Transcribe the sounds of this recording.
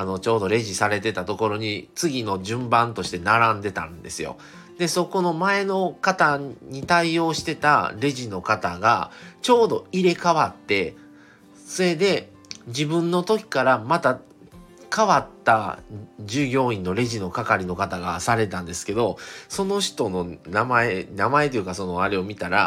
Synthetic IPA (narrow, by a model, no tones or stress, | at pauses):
ano̞t͡ɕo̞ːd̪o̞ɾe̞ʑisaɾe̞t̪e̞t̪at̪o̞ko̞ɾo̞ɲ̟it͡sɨɡʲino̞ʑɨ̃mbãnt̪o̞ɕi̥t̪e̞naɾãnd̪e̞t̪ã̰nd̪e̞sɨjo̞̰ | d̪e̞so̞ko̞no̞mae̞no̞kat̪aɲ̟it̪aio̞ːɕi̥t̪e̞t̪a̰ɾe̞ʑino̞kat̪aɡa̰t͡ɕo̞ːd̪o̞iɾe̞kaβat̪ːe̞ | sɨe̞d̪e̞ | d͡ʑibɯ̟̃nːo̞t̪o̞kʲi̥kaɾamat̪a | kaβat̪ːa̰d͡ʑɨːɡʲo̞ːĩnːo̞ɾe̞ʑino̞kakaɾʲino̞kat̪aɡa̰saɾe̞t̪ãnd̪e̞sɨ̥ke̞d̪o̞so̞no̞ɕi̥t̪o̞no̞namaenamae̞t̪o̞jiɯ̟kaso̞no̞aɾe̞o̞mʲit̪aɾa̰